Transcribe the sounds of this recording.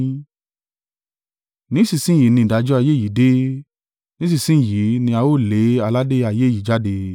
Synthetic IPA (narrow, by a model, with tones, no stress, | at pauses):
nĩ˨˦si˧˨sĩ˦˨ji˨˦nĩ˧˨da˨˦d͡ʒɔ˦a˧je˦ji˨˦de˦ | nĩ˦s̬i˦˧˨sĩ˦˨ji˨˦nĩ˧a˧wo˦˨le˨˦a˧la˦de˦a˧je˦ji˨˦d͡ʒa˦de˧